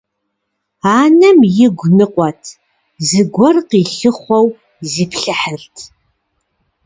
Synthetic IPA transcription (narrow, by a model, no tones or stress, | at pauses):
aːnɐmjɪɡʷnɨqʷʼɔtʰ | zɨɡʷɔrqiːɬɨχʷɔw | ziːpɬɨħəɮtʰ